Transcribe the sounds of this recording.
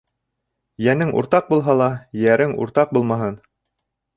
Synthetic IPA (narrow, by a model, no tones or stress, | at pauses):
jænɘŋʔṵɾt̪ɑq̚bulˠɦɑlˠɑjæɾɘŋṵɾt̪ɑq̚bulˠmɑɦɤn